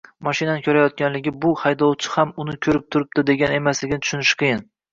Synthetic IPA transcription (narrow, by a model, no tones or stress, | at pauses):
mɒʃinanɪkʲʰɵɾajɒt̪̚kʲʰanlɪɡʲɪbʊhajd̪ɒwt͡ʃʰɪ̥hamʊnɪkʲʰɵɾɪp̚t̪ʰʊɾɪp̚d̪ɪd̪e̞ɡʲane̞maslɪɡʲɪnɪt̪ʰʊ̥ʃʊnɪʃqʰɨjɪn